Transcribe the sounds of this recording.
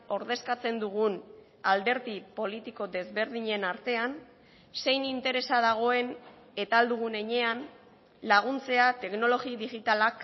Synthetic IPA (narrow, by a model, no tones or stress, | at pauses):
o̞ɾðe̞skat͡se̞nd̪uɣ̞un | ald̪e̞ɾðipo̞lit̪iko̞ðe̞zβe̞ɾðiɲe̞naɾt̪e̞an | se̞jnint̪e̞ɾe̞sað̞aɣ̞o̞e̞n | e̞t̪ald̪uɣ̞une̞ɲe̞an | laɣ̞unt͡se̞at̪e̞kno̞lo̞ɣiðiɣit̪alak